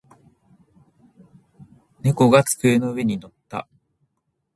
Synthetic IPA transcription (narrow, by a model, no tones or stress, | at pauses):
ne̞ko̞ɡat͡sɨ̥kɯ̟eno̞ɯ̟e̞ɲ̟ino̞t̪ːa̰